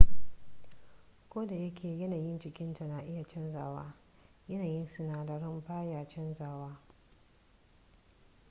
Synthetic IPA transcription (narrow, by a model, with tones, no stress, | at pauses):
kʷoː˦da˨jɐ˦kʲeː˨jɐ˦naː˨jɪ˦nt͡ʃɪ˨kʲɪ˦nta˨na˨ʔɪ˦ja˨t͡ʃɛ˦nzaː˨waː˦ | jɐ˦naː˨jɪ˦nsʊ˨naː˨dɐ˨ɾɪ˦mɸaː˦jaː˨t͡ʃɛ˦nzaː˨waː˦